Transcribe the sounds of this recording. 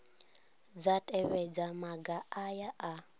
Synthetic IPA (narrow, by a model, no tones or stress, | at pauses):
d͡zatʼɛβɛd͡zamaɡaajaʔa